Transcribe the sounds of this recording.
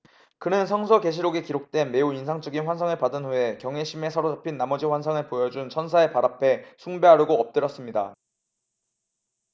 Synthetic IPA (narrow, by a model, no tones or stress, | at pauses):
kɯnɯnsʰʌŋs̬ʰʌke̞ɕ̬ʰiɾoɡe̞kiɾok̚t͈we̞nme̞uinsʰaŋt͡ɕ͈ʌɡinɸwansʰaŋɯɭpadɯnɸue̞kjʌŋeɕʰime̞sʰʌɾod͡ʑapʰinːamʌd͡ʑiɸwansʰaŋɯɭpojʌd͡ʑunt͡ɕʰʌnsʰae̞paɾapʰe̞sʰuŋbe̞ɦaɾuɡop̚t͈ɯɾjʌs͈ɯmɲida̰